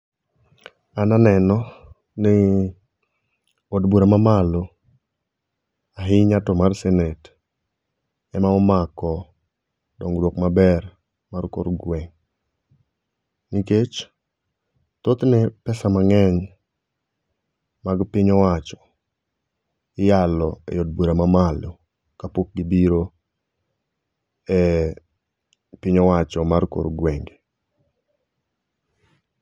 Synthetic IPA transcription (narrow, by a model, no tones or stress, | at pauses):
ananɛnɔ | ne | odbuɾamamalo | aɦɪɲatɔmarsɛnet | ɛmaɔmakɔ | dɔŋɾwokmabɛɾ | marko̰ɾɡwɛŋ | niket͡ʃ | t̪ot̪nɛpɛsamaŋɛɲ | maɡpɪɲɔwat͡ʃɔ̥ | ɪjalɔɛ̰jɔd̚buɾamamalo | kapok̚ɡibiɾo | ɛ | pɪɲɔwat͡ʃɔmarko̰ɾɡwɛŋɡe